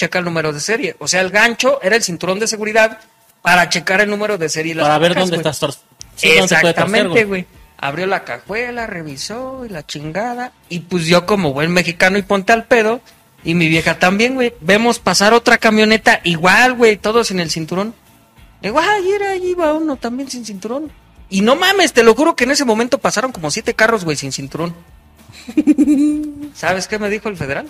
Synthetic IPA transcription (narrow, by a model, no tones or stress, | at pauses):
t͡ʃekalnũme̞ɾoð̞e̞se̞ɾje̞ʔose̞aelɣant͡ʃo̞ʔe̞ɾaelsint̪uɾo̞nd̪e̞s̬e̞ɣuɾiðað | paɾat͡ʃe̞kaɾe̞lnũme̞ɾo̞ðe̞se̞ɾjelaaaɾaβeɾðkaond̪est̪ast̪ɾ | seonseaket̪amẽnɾɣt̪ewe | a̰βɾjo̞lakaxwe̞lare̞βisoilat͡ʃiŋɡaða | ipwezðjo̞ko̞mo̞βwenme̞xikano̞ipo̞nt̪ealpe̞ð̞o̞ | imiβje̞xat̪ambje̞ŋɡwe̞jbe̞mo̞spasaɾo̞t̪ɾakamjo̞ne̞t̪aʔiɣwalɣwe̞jt̪o̞ð̞o̞sene̞lsint̪uɾo̞n | d̪eɣoajeɾaiβaunot̪ambje̞nsinsint̪uɾo̞n | ino̞mame̞st̪e̞lo̞xuɾo̞keːne̞se̞mo̞ment̪o̞pasaɾo̞ŋko̞mo̞sje̞t̪e̞karo̞zɣwe̞jsinsint̪uɾo̞n | saβe̞ske̞me̞ðixo̞elfe̞ð̞e̞ɾal